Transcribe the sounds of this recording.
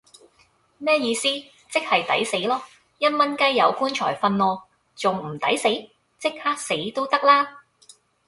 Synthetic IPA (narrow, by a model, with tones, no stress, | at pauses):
mɛː˥jiː˧siː˥ | t͡sɪ˥k̚hɐ˨jt̪ɐ̰˨˥jse˨˥jlɔː˥ | jɐ˥t̚mɐ˥nkɐ˥jjɐ˨˧wkuː˥nt͡ʃʰɔː˨˩jfɐ˧nlɔː˧ | t͡sʊ˨ŋm̩˨˩t̪ɐ˨˥jse˨˥j | t͡sɪ˥k̚haː˥k̚se˨˥jt̪o˥wt̪ɐ˥k̚laː˥